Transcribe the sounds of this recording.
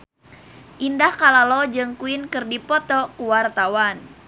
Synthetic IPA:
ʔindahkalalɔd͡ʒɨŋkuinkɨrdipɔt̪ɔkuwart̪awan

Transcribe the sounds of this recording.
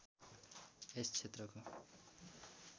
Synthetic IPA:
est͡sʰet̪rʌko

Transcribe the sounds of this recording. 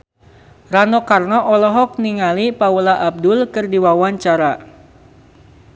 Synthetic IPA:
ranɔkarnɔʔɔlɔɦɔk̚niŋalipaulaʔab̚dʊlkɨrdiwawaɲt͡ʃaɾa

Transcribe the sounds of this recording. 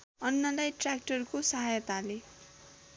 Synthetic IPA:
ʌnːʌlajʈrak̚ʈʌrkosʌɦajʌt̪ale

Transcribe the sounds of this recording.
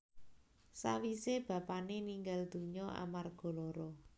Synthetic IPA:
sa̰wiseb̥a̤paneniŋɡald̪̥ṳɲɔʔa̰marɡ̥ɔ̤lɔɾɔ

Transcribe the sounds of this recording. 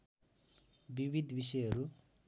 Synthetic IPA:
bibʱid̪ʱbisʌjɦʌɾu

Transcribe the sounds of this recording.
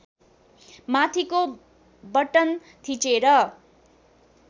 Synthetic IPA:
mat̪ʰiko | bʌʈʌn | t̪ʰit͡seɾʌ

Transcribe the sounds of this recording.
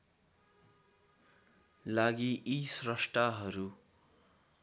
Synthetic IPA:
laɡiʔisrʌsʈaɦʌɾu

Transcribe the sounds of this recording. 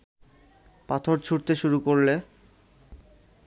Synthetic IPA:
pat̪ʰoɾt͡ɕʰuɾt̪eʃuɾukoɾle

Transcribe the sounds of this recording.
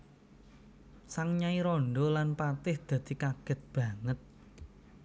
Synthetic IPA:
saŋɲaiɾɔɳɖɔlanpat̪ɪhd̪̥ä̤d̪̥i̤kaɡ̥ə̤t̪̚b̥ä̤ŋət̪̚

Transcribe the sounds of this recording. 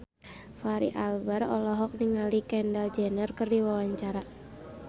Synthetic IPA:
faɾḭʔalbarɔlɔɦɔk̚niŋalikɛndald͡ʒɛnərkərdiwawaɲt͡ʃaɾa

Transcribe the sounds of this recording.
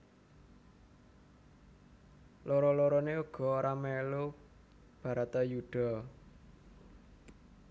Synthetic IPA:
loɾɔlɔɾɔneuɡ̥ɔ̤oɾamɛlo | b̥ä̤ɾat̪ajuɖ̥ɔ̤

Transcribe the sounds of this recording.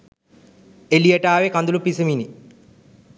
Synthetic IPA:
elijəʈaːʋekand̪ulupisəmini

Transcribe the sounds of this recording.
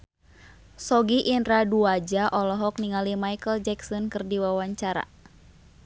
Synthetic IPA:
sɔɡiʔinraduad͡ʒaʔɔlɔɦɔk̚niŋalimajkəld͡ʒɛksɔnkɨrdiwawaɲt͡ʃaɾa̰

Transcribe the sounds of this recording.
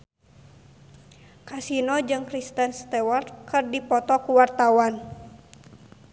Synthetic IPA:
kasinɔd͡ʒɨŋkɾist̪ənst̪ɛwɔrkɨrdipɔt̪ɔkuwart̪awan

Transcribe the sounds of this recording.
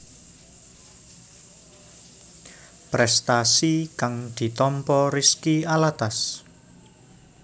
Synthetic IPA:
pɾɛst̪asikaŋd̪̥i̤t̪ɔmpɔriskialat̪as

